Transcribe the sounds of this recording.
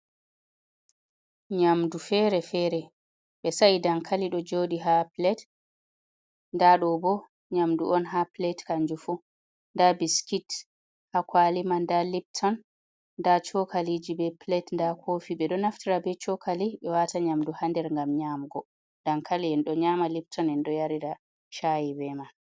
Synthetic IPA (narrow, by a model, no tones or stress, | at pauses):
ɲamdufɛɾɛfɛɾɛ | ɓɛsaʔidaŋkʰaliɗɔd͡ʒoɗiɦaplɛt | ndaɗɔbɔ | ɲamduʔɔnɦaplɛtkaɲd͡ʒufu | ndabiskit | hakwalimandalip̚tʰɔnː | dat͡ʃɔkʰalid͡ʒibɛplɛtndakʰofiɓɛɗɔnaftiɾabɛt͡ʃɔkaliɓɛwataɲamduhandɛɾŋɡamɲamɡɔ | daŋkʰaliɛnɗɔɲamalip̚tʰɔnɛnɗɔjaɾida | ʃajibɛma